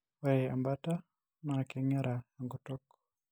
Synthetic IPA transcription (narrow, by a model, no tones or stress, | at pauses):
wɛambata | nakɛŋɛɾaaŋɡɔtɔkɔ̥